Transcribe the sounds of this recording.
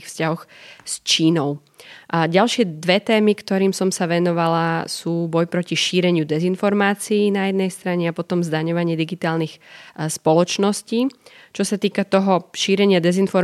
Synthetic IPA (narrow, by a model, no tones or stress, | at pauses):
fscaɦɔxst͡ʃiːnɔʊ | ɟalʃɪɛd̪ʋɛt̪ɛːmikt̪ɔɾiːmsɔmsaʋɛnɔʋalasuːbɔjpɾɔciʃiːɾɛɲɪud̪ɛzinfɔɾmaːt͡siːnajɛd̪nɛjst̪ɾaɲɛapɔt̪ɔmzd̪aɲɔʋaɲɪɛd̪iɡit̪aːlnixspɔlɔt͡ʃnɔsciː | t͡ʃɔsat̪iːkat̪ɔɦɔʃiːɾɛɲɪad̪ɛzinfɔɾ